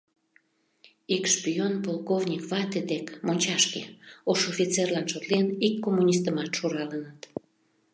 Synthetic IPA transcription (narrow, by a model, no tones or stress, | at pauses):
ikʃpionpolˠkovnʲikvɑt̪ed̪ekmonʲt͡ɕɑʃkeoʃofʲit͡serlɑnʃot̪lenikːomːunʲis̬t̪əmɑt̪ʃuɾɑlənət̪